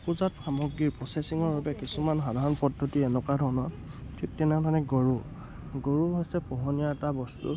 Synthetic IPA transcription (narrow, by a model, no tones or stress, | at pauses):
puzatxʰamɔɡɹiɹpɔsesiŋɔɹbabɛkisumanxadʱaɹɔnpɔdʱːɔtiɛnɔkadʱɔɹnɔ | tʰitːinaŋtanɛɡoɹu | ɡoɹuɦojsɛpɔɦɔnijatabɔstṵ